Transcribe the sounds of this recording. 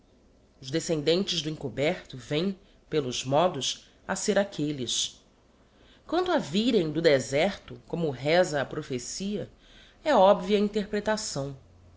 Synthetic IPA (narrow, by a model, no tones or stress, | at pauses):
ʊzd̪esẽnd̪ẽnt͡ʃɪzd̪ʊĩŋkobɛɾt̪ʊvẽj̃ | pelʊzmɔd̪ʊs | aseɾakʰelis | kwɐ̃nt̪ʊaviɾẽj̃d̪ʊd̪ezɛɾt̪ʊkõmʊɦɛzɐːpɾofesiɐ | ɛɔbviɐĩnt̪eɾpɾet̪asɐ̃w̃